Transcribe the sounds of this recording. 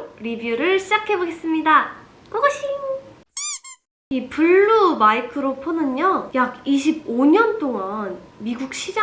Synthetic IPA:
ɾibjuɾɯɭɕʰid͡ʑakʰe̞boɡe̞s͈ɯmɲida | koɡʌɕʰi | ipuɭːumaikʰɯɾopʰonɯɲʌjaɡiɕʰib̚oɲʌnt͈ʰoŋanmiɡuk̚ɕ͈ʰid͡ʑa

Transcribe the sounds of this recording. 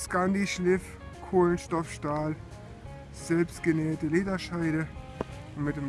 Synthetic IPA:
skandiʃlɪf | kʰoːlənʃtɔfʃtaːl | z̥ɛlpstɡ̥ənɛːɐtəleːdɐʃaɪɾə | ʊnmɪteːm

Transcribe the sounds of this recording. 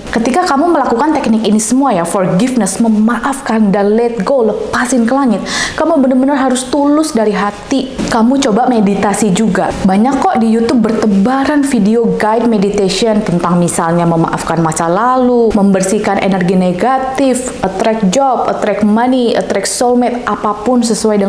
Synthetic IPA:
kət̪ikakamuməlakukant̪ɛk̚nɪkinisəmuajafɔrɡifnəsməmaʔafkandanlɛt̪̚ɡoləpasɪnkəlaŋɪt̪̚kamubənəbənərɦaɾʊst̪ulʊsdaɾiɦat̪ikamut͡ʃobamedit̪asid͡ʒuɡabaɲakːɔʔdijut̪ub̚ːərt̪əbaɾanfideoɡajd̚medit̪esiənt̪ənt̪aŋmisalɲaməma̰ʔa̰fkanmat͡ʃalaluməmbərsikanʔḛnərɡineɡat̪ɪfət̪ɾɛk̚d͡ʒɔpət̪ɾɛkmaniə̰t̪ɾɛk̚solmɛt̪̚ʔapapʊnsəsuajdəŋ

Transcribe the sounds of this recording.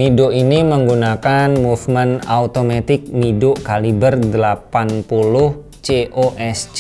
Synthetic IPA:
midoʔiniməŋɡunakanmufmɛna̰ut̪omat̪ɪk̚midʊkalibərdəlapanpulʊh | t͡ʃeʔoʔɛst͡ʃ

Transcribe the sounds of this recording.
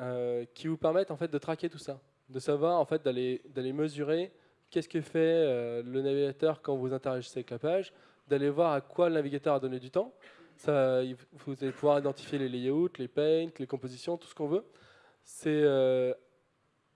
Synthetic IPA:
økʲivupɛʁmɛt̪ɑ̃fɛt̪̚d̪ət̪χakʲet̪usa | d̪əsavwaʁɑ̃fɛt̪̚d̪aled̪aleməzyʁe | kʲɛsə̥kəfɛølənaviɡʲat̪œʁkɑ̃vuzɛ̃t̪eʁaʒiseavɛklapaʒ | d̪alevwaʁakwalənaviɡʲat̪œʁad̪ɔned̪yt̪ɑ̃savuzalepuvwaʁid̪ɑ̃t̪i̥fjelelejeut̪lepɛ̃t̪lekɔ̃pozisjɔ̃t̪u̥sə̥kɔ̃vø | sɛø

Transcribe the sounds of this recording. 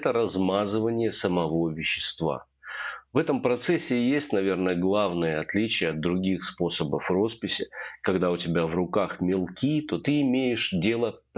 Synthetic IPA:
t̪əɾɐzmazɨvənʲɪjəsəmɐvo̞vʲɪɕːɪ̥st̪va̰ | vɛt̪əmpɾɐt̪sɛsʲːɪjesʲtʲnɐvʲe̞rnəɡlˠavnəjəɐt̪lʲit͡ɕɪjəɐd̪̚d̪ɾʊɡʲixspo̞səbəfro̞spʲɪsʲɪkɐɡd̪aʊtʲɪbʲavrʊkaxmʲɪlˠkʲit̪o̞t̪ɨɪmʲejɪʂdʲe̞lˠəp

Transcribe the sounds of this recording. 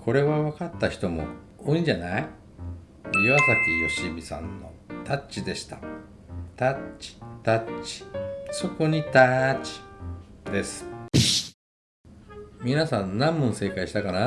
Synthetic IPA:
kʰo̞ɾe̞βaβakat̪ːaçi̥t̪o̞mo̞̰ | oĩɲd͡ʑanai | iβasakʲijo̞ɕibʲisã̰nːo̞̰t̪at͡ɕid̪e̞ɕi̥t̪ḁ | t̪at͡ɕi̥t̪at͡ɕi̥so̞ko̞ɲ̟it̪at͡ɕi̥d̪e̞sɨ̥ | mʲinasãnnːãmːɯ̃ñse̞ːkaiɕi̥t̪akana

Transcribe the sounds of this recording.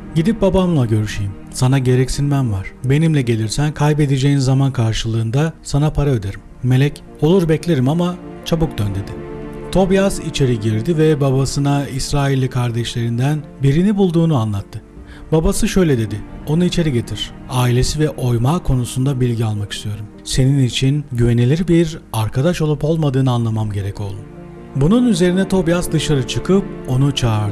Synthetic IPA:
ɟid̪ip̚babamlˠaɟø̞ɾyʃijim | sanaɟe̞ɾɛcsinmænvaɾ̥be̞nimlʲɛɟe̞lʲiɾsænkʰajp̬e̞d̪id͡ʒe̞jinzamankʰaɾʃɯlˠɯːnd̪asanapʰaɾaø̞d̪eɾimːe̞lʲɛc | o̞lˠuɾbɛclʲeɾimamat͡ʃʰabuk̚d̪ønd̪e̞d̪ɪt̪ʰo̞bjazit͡ʃʰe̞ɾiɟiɾd̪ivɛbabasɯnaisɾaːilʲːikʰaɾd̪ɛʃlʲe̞ɾind̪æn | biɾinibulˠd̪uːnuanlˠat̪ʰːɯ | babasɯʃø̞jlʲɛd̪e̞d̪ɪo̞nuit͡ʃʰe̞ɾiɟe̞t̪ʰiɾ̥aːilʲe̞sivɛʔo̞jmaːkʰo̞nusund̪abilʲɟialˠmaki̥st̪ʰijo̞ɾum | se̞ninit͡ʃʰinɟyve̞nelʲiɾibiɾaɾkʰad̪aʃo̞lˠupo̞lˠmad̪ɯːnɯanlˠamamɟe̞ɾɛco̞lˠd̪u | bununyze̞ɾinɛt̪ʰo̞bjasd̪ɯʃaɾɯt͡ʃʰɯkʰɯp̚o̞nut͡ʃʰaːɾd̪ɯɯ

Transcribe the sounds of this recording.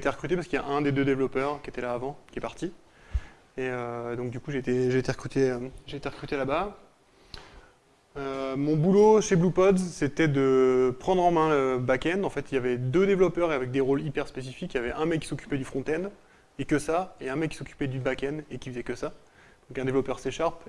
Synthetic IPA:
et̪eʁəkχyt̪epaskəilja̰ʔɛ̃d̪ed̪ød̪evlɔpœʁkʲet̪ɛlaːvɑ̃kʲɛpaʁt̪i | eød̪ɔ̃k̚d̪ykuʒet̪eʒeːt̪eʁəkχyt̪eøʒeːt̪eʁəkχyt̪elaba | ømɔ̃buloʃeblupɔd̪zset̪ɛd̪əpχɑ̃d̪ʁɑ̃mɛ̃əbakʲɛnɑ̃fɛt̪iljavɛd̪ød̪evlɔpœʁeavɛk̚d̪eʁolipɛʁspesifikjavɛʔɛ̃mɛkːi̥sɔkʲy̥pɛd̪yfχɔ̃t̪ɛn | ekəsaeɛ̃mɛkʲːisɔkʲy̥pɛd̪ybakʲɛnekʲivizɛkʲəsa | d̪̥ɔ̃kɛ̃d̪evlɔpœʁseʃaʁp

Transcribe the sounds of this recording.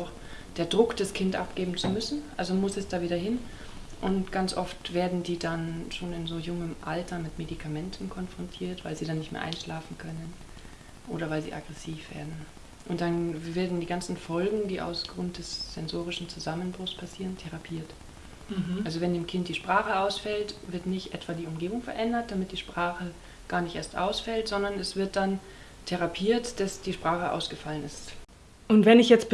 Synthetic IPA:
ʊx | d̥eːɐdʁʊkd̥askʰɪntʔa̰p̚ɡ̥eːbm̩t͡sumʏsn̩ʔalzomʊsɛsd̥aːviːdɐɦɪn | ʔʊntɡ̥ant͡sʔɔftv̥eːɐdn̩diːdanʃoːnɪnzoːjʊŋəmʔaltɐmɪtmedikʰamɛntʰn̩kʰɔnfʁ̥ɔntʰiːɐtv̥aɪlziːdanɪçtmḛɐ̰ʔaɪnʃlaːfn̩kʰœnən | ʔo̰ːɾɐvaɪlzḭːʔa̰ɡʁɛsiːfv̥ḛːɐdn̩ | ʔʊnt̚d̥anveːɐdn̩diːɡant͡sn̩fɔlɡŋ̩diːʔa̰ʊfɡ̥ʁʊnt̚d̥ɛsz̥ɛnzoːʁ̞ɪʃn̩t͡suzamənbʁʊxspʰasiːʁəntʰɛʁapʰiːɐt | alzovɛndeːmkʰɪnt̚d̥iːʃpʁ̥aːχəaʊsfɛltv̥ɪɐtnɪçtʔɛtv̥aːdiːʊmɡeːbʊŋfɛɐʔɛndɐt̚d̥amɪt̚d̥iːʃpʁ̥aːχə | ɡ̥aːɐnɪçtʔeːɐstʔa̰ʊsfɛltz̥ɔndɐnɛsv̥ɪɐt̚d̥an | tʰɛʁapʰiːɐtd̥asd̥iːʃpʁ̥aːχəʔa̰ʊsɡ̥əfalənɪst | ʔʊntv̥ɛnɪçjɛt͡stb̥

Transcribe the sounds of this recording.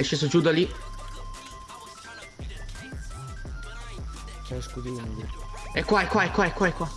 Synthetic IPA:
jʃeːsod͡ʒud̪ali | askud̪iunuɡuɛkːwaɛkwaɛkːwaɛkːwaɛkːwa

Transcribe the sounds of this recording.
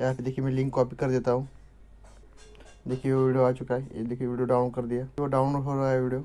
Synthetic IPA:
aːpd̪eːkʰiemɛ̃lɪ̃ŋkːɔːpikɐɾd̪eːt̪aɦũː | d̪eːkʰieʋoʋiɖijoaːt͡ʃʊkaḛd̪eːkʰieʋiːɖijoɖaːʊnkɐɾd̪ijaːoɖaːʊnfoɾaeʋiɖijoː

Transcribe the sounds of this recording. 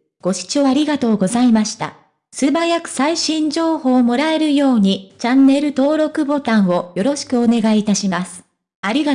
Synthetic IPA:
ɡ̥o̞ɕi̥t͡ɕo̞ːaɾʲiɡat̪o̞ːɡo̞zaimaɕi̥t̪a̰ | sɨbajakɯ̟̥saiɕĩɲ̟d͡ʑo̞ːhoːmo̞ɾaeɾɯ̟jo̞ːɲ̟it͡ɕãnːe̞ɾɯ̟t̪o̞ːɾo̞kɯ̟bo̞t̪ãɰ̃o̞jo̞ɾo̞ɕi̥kɯ̟o̞ne̞ɡait̪aɕimasɨ̥ | aɾʲiɡa

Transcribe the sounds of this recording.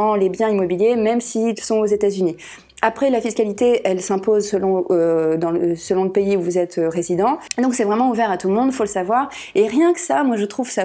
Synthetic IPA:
ɑ̃lebjɛ̃imɔbiljemɛmsiːlsɔ̃ozet̪azyni | apχɛlafiskalit̪eʔɛlsɛ̃pozsəlɔ̃ød̪ɑ̃lsəlɔ̃ləpeiuvuzɛt̪øʁezid̪ɑ̃d̪ɔ̃ksɛvʁɛmɑ̃uvɛʁat̪ulmɔ̃d̪foləsavwaʁ | eʁjɛ̃kə̥samwaʒət̪χuv̥sa

